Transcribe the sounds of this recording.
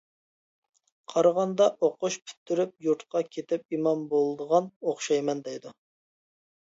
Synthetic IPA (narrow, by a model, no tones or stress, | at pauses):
qʰɑɾʁɑnd̪ɑʔoqʊʃpʰy̥t̪ʰːyɾyp̚juɾt̪qɑkʲʰet̪ɪp̚imɑnbolˠd̪əʁɑnoχʃɑjmɛnd̪ɛjd̪u